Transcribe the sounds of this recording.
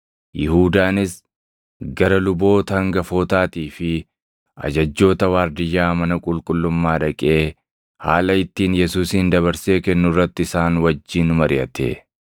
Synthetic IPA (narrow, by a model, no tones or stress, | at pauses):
jɪhuːd̪aːnɪs | ɡɐɾɐlʊbo̞ːt̪ɐɐŋɡɐfo̞ːt̪aːt̪iːfɪ | ɐ̰d͡ʒɐd͡ʒːo̞ːt̪ɐwaːɾd̪ɪjːaːmɐnɐkʼʊlkʼʊlːʊmːaːᶑɐkʼe̞ː | ha̰ːlɐɪt̪ːiːnjɛsuːsind̪ɐβɐɾse̞ːkɛnːʊrːɐt̪ːɪɪsaːnwɐd͡ʒːiːnʊmɐɾɪɐt̪ḛː